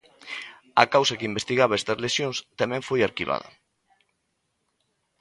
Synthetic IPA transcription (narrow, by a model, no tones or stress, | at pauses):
ɐkawsɐkeimbest̪iɣaβaɛst̪ɐzlesjõŋst̪amɛ̃ɱfojaɾkiβa̰ðɐ̰